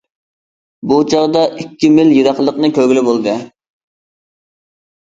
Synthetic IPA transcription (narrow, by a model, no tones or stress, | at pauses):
but͡ʃʰɑʁd̪ɑʔikʲʰːimɪljiɾɑχlˠəqnɨkʲʰøɡʲɪlɪbolˠd̪ɨ